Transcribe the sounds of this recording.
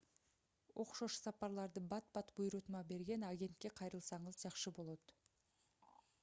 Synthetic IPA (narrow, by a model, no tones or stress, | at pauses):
wʔo̞qʃoʃə̥sɑpɑɾlˠɑɾd̪əbɑt̪̚bɑt̪bujɾut̪mɑbe̞ɾɡʲe̞naɡʲe̞nt̪̚kʲe̞qʰɑjɾəlˠsɑɴəzʒɑχʃəbo̞lˠot̪